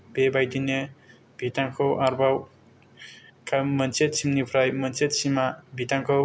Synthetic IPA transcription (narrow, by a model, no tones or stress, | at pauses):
bebajdine | bʱitaŋkʰɯwʔaɾbaw | kʰamʌnt͡ʃet̚sʰimnipʰɾajmʌnsʰet̚simabʱitaŋkʰɯw